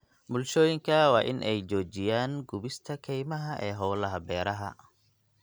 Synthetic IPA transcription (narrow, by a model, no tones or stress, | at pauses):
bʊlʃɔːjɪŋkʰɐwɑːʔɪnʔɛjt͡ʃɔːt͡ʃɪjaːnɡʊβɪst̪ʰɐkʰɛjmɐɦɐʔɛːɦɔːlɐɦɐbɛːɾɐɦɐ̰